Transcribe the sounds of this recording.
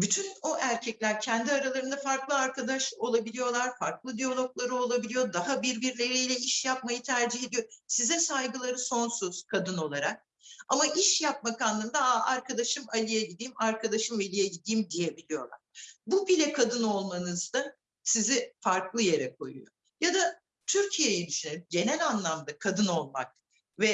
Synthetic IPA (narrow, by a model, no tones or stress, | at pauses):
byt̪ʰynoʔæɾcʰɛclʲæɾcʰɛnd̪iaɾalˠaɾɯnd̪afaɾklˠɯaɾkad̪aʃo̞lˠabilʲijo̞lˠaɾ̥faɾklˠɯd̪ijolʲˠo̞klˠaɾɯo̞lˠabilʲijo̞d̪aɦabiɾbiɾlʲe̞ɾijlʲɛiʃjap̚majɯt̪ʰæɾd͡ʒihe̞d̪ijo̞sizɛsajɡɯlˠaɾɯso̞nsuz̥kʰad̪ɯno̞lˠaɾak̚ | a̰maʔiʃjap̚makanːˠɯnd̪aaɾkʰad̪aʃɯmalʲijɛɟid̪iːmaɾkʰad̪aʃɯmvelʲijɛɟid̪iːmd̪ije̞bilʲijo̞̰lˠa̰ɾ̥bubilʲɛkʰad̪ɯno̞lˠmanɯzd̪a | sizɪfaɾklˠɯje̞ɾɛkʰo̞̰jṵjo̰ | jad̪a | t̪ʰyɾcʰije̞jid̪yʃynelʲyɟe̞nɛlʲanlˠamd̪akʰad̪ɯno̞lˠma̰k̚ | vɛ